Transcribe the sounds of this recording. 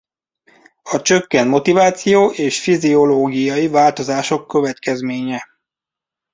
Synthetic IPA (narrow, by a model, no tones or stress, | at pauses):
ɒt͡ʃø̞kːɛnmo̞t̪ivaːt̪sijoːʔeːʃfizio̞loːɡijɒivaːlt̪o̞zaːʃo̞kːø̞vɛt̪kɛzmeːɲɛ